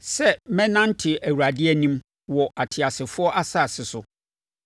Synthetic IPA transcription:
sɛ˦˨mɛ̃˦nã˦n̩˦tʰɪ˨ʔæ˨wu˨ɾa˨dɪ˦ɛ˦nĩ˦m | wɔ˨ʔa˨tʰɪ˨a˨sɪ˨fʊ˦ɔ˦ʔa˦sa˦˨sɪ˨sʊ˨

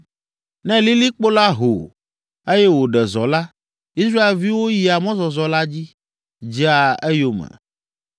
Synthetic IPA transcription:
nɛ̃˦li˦li˦k͡po˦la˦ɦo̰˨ | e˦jɛ˦wo˨ɖɛ˨zɔ˨la˦ | i˦sɾa˦e˨lvi˦wo˦ji˨a˨mɔ̃˦zɔ˨zɔ˨la˦d͡ʑi˦ | d͡ʒi˦a˨e˦jo˦mɛ̰̃˨

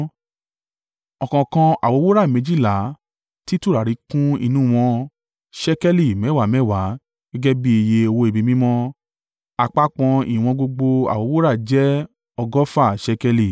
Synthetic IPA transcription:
ɔ˨kɔ̃˨kã˧a̰˨wo˨˦wo˦ɾa˦˨mẽ˨˧d͡ʒi˦˨la˨˦ | ti˦tu˦˨ɾa˨ɾi˨˦kũ˦ḭ˧nũ˦˨w̃ɔ̃˧ | ʃɛ˦kɛ˦li˦˨mɛ̃˨˦˨wa˨˦mɛ̃˦˨wa˨˦ | ɡ̥ɛ˦ɡɛ˦bi˦e˧je˧o˧wo˧˦e˨bĩ˨˧mĩ˦mɔ̃˦ | a˧k͡pa˦k͡pɔ̃˧ḭ˨w̃ɔ̃˧ɡ͡bo˧ɡ͡bo˧a̰˨wo˨˦wo˦ɾa˦˨d͡ʒɛ˦ | ɔ˧ɡɔ˦fa˦˨ʃɛ˧kɛ˧li˨

